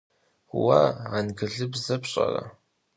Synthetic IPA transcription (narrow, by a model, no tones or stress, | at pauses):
wɐʕanɡɨɮɨbzɐpɕʼɐ̰rɐ̰